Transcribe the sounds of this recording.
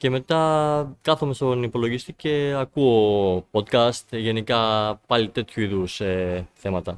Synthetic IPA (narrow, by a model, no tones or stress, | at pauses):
ce̞me̞t̪ɐkɐθome̞st̪o̞nipo̞lo̞ʝist̪ice̞ɐkuopot̪kɐst̪ʝe̞nikɐpɐlit̪e̞t̪çuiðuseθe̞mɐt̪ɐ